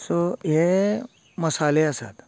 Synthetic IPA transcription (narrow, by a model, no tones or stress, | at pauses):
soje | məsaleəsa̰t̪